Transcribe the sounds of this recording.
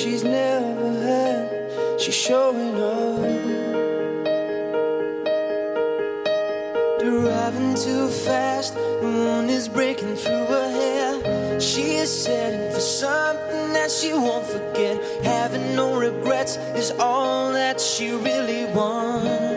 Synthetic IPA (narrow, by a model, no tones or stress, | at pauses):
ʃiznɛvə˞ɦəd | ʃi̥ʃoʊɪno | ðɹaɪvɪ̃ŋtʰʉfæst | ðəwũnɪzbɹeɪkɪ̃ŋθɹuə˞ɦɛ | ʃiɪz̥sɛɾ̃nfə˞sʌ̃mθɪ̃ŋðɨtʃiwõʊ̃ntfə˞ɡɛt̚ | hævɪ̃ŋnoʊɹɨɡɹɛts | ɨzɔlˠðɨtʃiɹɪlˠiwʌn